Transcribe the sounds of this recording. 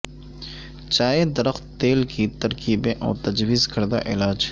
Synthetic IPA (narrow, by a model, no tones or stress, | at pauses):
t͡ʃaːed̪ɐɾəxt̪ːeːlkit̪ɐɾkiːbẽʔɔ̰ːt̪ɐd͡ʒwiːzkɐɾd̪a̰ʔɪlaːd͡ʒ